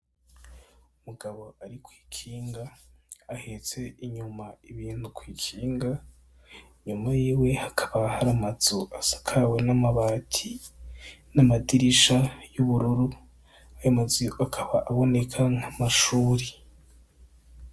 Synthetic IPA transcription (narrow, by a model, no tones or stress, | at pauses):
umuɡaβo̞aɾikwi̥ːkʰiːŋɡaː | het͡se̞iɲumaiβiːnhukwiːkʰiːŋɡa | ɲumajiːwe̞hakʰaβahaɾamazoasḁkʰawe̞namaβaːtʰi | namadiɾiʃajuβuɾuɾu | ajomaziakʰaβaʔaβo̞ne̞kʰaŋ̥hamaʃuːɾi